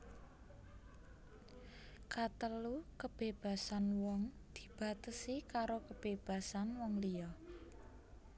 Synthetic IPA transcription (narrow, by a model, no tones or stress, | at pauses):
kat̪əlukəb̥e̤b̥ä̤sanwɔŋd̪̥i̥̤b̥a̤t̪əsikaɾokəb̥eb̥ä̤sanwɔŋlijɔ